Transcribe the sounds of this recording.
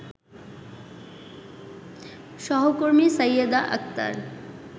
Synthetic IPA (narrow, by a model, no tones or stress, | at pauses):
ʃɔɦokoɾmisəjəd̪aʔɐ̰k̚t̪a̰ɾ